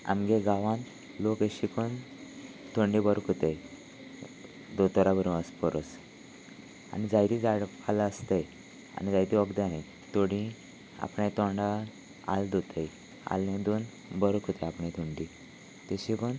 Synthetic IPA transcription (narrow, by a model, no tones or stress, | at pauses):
a̰mɡeɡaʋãn | lokəɕikon | t̪ʰoɳɖibəɾkʰot̪ej | d̪ot̪ɔɾabəɾũəspəɾos | a̰nid͡zajt̪id͡zaɽpʰalaəst̪əj | a̰nid͡zajt̪iəɡd̪ẽaɦẽ | t̪oɽĩ | a̰pɳẽt̪ɔ̃ɳɖa | a̰ld̪ot̪ej | a̰lnẽd̪on | bəɾkʰot̪eapɽẽt̪ʰuɳɖi | t̪eɕikon